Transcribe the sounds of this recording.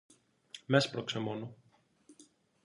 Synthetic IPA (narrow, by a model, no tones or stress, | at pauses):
mespɾoksemono